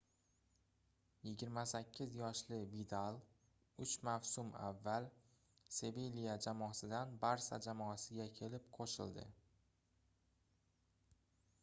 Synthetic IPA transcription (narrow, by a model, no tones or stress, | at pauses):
jɪɡʲɪɾmasakʲʰːɪzjɒʃlɪvid̪alˠ | ʊt͡ʃmawsʊma̰vːal | se̞velijad͡ʒamɒsɪd̪anbaɾsa̰d͡ʒamɒasɪɡʲakʲʰe̞lɪp̚qʰoʃɪ̰ld̪ɪ̰